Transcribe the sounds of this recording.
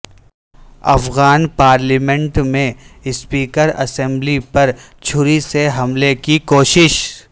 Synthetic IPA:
ɐ̰fɣaːnpaːɾlimɛ̃ɳʈmẽɪspiːkəɾɐ̰sɛ̃mblipɐɾ | t͡ʃʰʊɾiseɦɐmlekikoːʃɪʃ

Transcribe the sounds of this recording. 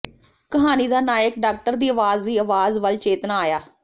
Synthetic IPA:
kəɦaːniːd̪aːnaːjəkɖaːk̚ʈəɾd̪iːəʋaːzd̪iːəʋaːzʋəlt͡ʃeːt̪naːaːjaː

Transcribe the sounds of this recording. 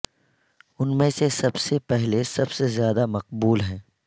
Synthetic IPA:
ʊnmẽsesɐbsepɛɦlesɐbsezjaːd̪amɐq̚buːlɦɛ̃ː

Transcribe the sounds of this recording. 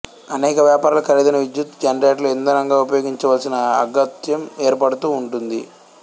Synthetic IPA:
ɐnɛːkɐʋjaːpaːɾalɐkɐɾid̪ɐnɐʋid̪jut̪d͡ʒɐnɾeːʈluend̪ɐnɐŋɡaːupɐjoːɡiɲt͡ʃɐʋaːlsinɐɐɡɐt̪jɐmeːɾpɐɽut̪uːɳʈund̪i

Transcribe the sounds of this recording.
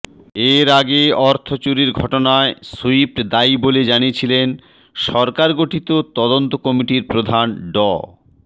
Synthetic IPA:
eɾaɡeɔɾt̪ʰot͡ɕuɾiɾɡʱɔʈonaesoipd̪ajboled͡ʑaniet͡ɕʰilen | ʃɔɾkaɾɡoʈʰit̪ot̪ɔd̪ont̪okɔmiʈiɾpɾod̪ʱanɖɔ̰

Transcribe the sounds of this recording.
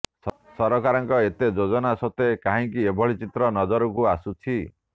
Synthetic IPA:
sɔɾɔkaɾɔŋkɔet̪ed͡ʒod͡ʒɔnasɔt̪ekaɦĩŋkiebʱɔɭit͡ʃit̪ɾɔnɔd͡ʒɔɾɔkuasut͡ʃʰi

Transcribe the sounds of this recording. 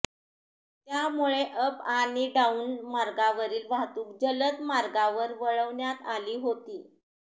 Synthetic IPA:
t̪jamuɭeʔəpaniɖauːnmaɾɡaʋəɾiːlʋaɦt̪uːkd͡ʑələt̪maɾɡaʋəɾʋəɭəʋɳjat̪aliːɦot̪iː

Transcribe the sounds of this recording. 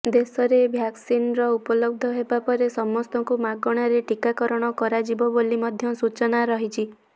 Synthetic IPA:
d̪esɔɾebʱjaksinɾɔupɔlɔɡ̚d̪ʱɔɦebapɔɾesɔmɔst̪ɔŋkumaɡɔɽ̃aɾeʈikakɔɾɔɽ̃ɔkɔɾad͡ʒibɔbolimɔd̪ʱjɔsut͡ʃɔnaɾɔɦit͡ʃʰi

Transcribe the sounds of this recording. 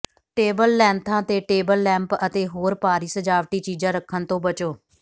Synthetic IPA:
ʈeːbəlːɛ̃ːnt̪ʰãːt̪eːʈeːbəlːɛ̃ːmpət̪eːɦoːɾpaːɾiːsəd͡ʒaːʋʈiːt͡ʃiːd͡ʒãːɾəkʰːənt̪õːbət͡ʃoː

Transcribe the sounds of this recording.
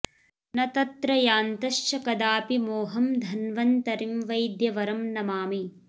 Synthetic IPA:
nɐt̪ɐt̪ɾɐjaːnt̪ɐʃt͡ʃɐkɐd̪aːpimoːɦɐmd̪ʱɐnʋɐnt̪ɐɾimʋɐjd̪jɐʋɐɾɐmnɐmaːmi

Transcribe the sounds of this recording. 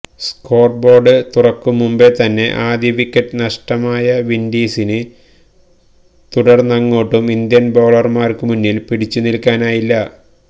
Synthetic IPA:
sko̞ːrbo̞ːɖɨt̪urɐkːumumbe̞t̪ɐnːe̞̰ʔaːd̪jɐʋikʲːɐʈːɨnɐʂʈɐmaːjɐʋindiːsinɨ | t̪uɽɐrnɐŋːo̞ːʈːumind̪jɐnbo̞ːɭɐrmaːrkɨmunːilpiɽit͡ɕːunilkːaːnaːjilːɐ

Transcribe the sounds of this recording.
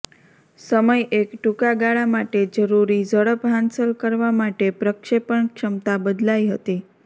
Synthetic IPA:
səməjʔekʈukaɡaɭamaʈed͡ʒəɾuɾid͡ʒəɽəpɦansəlkəɾʋamaʈepɾəkʃepəɳkʃəmt̪abəd̪laiɦət̪i

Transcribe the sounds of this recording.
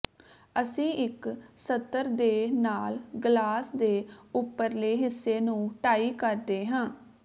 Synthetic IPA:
əsĩːʔɪksət̪ːəɾd̪eːnaːlɡlaːsd̪eːʊpːəɾleːɦɪsːeːnũːʈaːiːkəɾd̪eːɦãː

